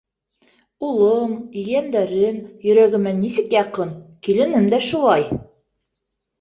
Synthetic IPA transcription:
ulˠɤmĭjænd̪æɾɘmjɵ̆ɾæɡɘ̆mænːisɘkjɑqɤnkilɘ̆nɘmd̪æʃulˠɑj

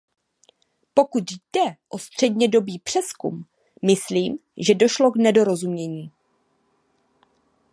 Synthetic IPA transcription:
po̞kut̪jdɛʔo̞st̪r̝̥ɛdɲɛdo̞biːpr̝̥ɛskṵmː | ɪsliːmʒɛdo̞ʃlo̞ɡnɛdo̞ɾo̞zumɲɛɲiː

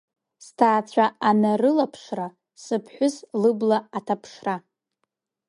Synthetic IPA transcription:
stʰaːt͡sʷʰaanarɨlapʰʂra | sɨpʰħʷʊzlɨblaatʰapʰʂra

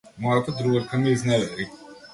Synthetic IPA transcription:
mɔat̪ʰad̪ɾuɛɾkʰamiːznɛɛɾi

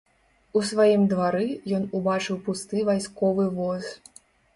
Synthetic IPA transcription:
usvajimd̪vaɾɨjɔnubat͡ʂɨwpust̪ɨvajskɔvɨvɔz

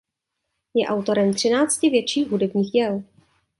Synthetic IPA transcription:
jɛʔawt̪o̞ɾɛmt̪r̝̥ɪnaːt͡scɪvjɛt̪t͡ʃiːxɦudɛbɲiːxɟɛl

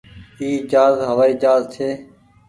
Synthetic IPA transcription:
iːd͡ʒaːzɦəʋaːiːd͡ʒaːzt̪ʰeː

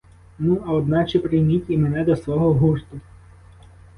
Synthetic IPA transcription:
nuɐɔd̪nɑt͡ʃɛpɾɪjmʲitʲimenɛd̪ɐsʋɔɦɔɦurt̪ʊ

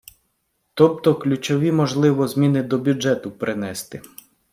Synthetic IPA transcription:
t̪ɔpt̪ɔklʲut͡ʃɔʋʲimɔʒlˠɪʋɔzmʲinɪd̪ɔbʲud͡ʒɛt̪ʊpɾʔɪnɛst̪ɪ

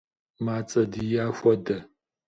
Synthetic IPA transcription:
maːt͡sʼɐdijaːxʷɔdɐ

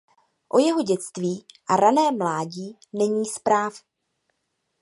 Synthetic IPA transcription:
ʔo̞jɛɦo̞ɟɛt͡st̪viːʔaɾanɛːmlaːɟiː | nɛɲiːspɾaːf

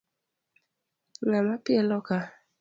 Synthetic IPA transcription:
namapiɛlɔka

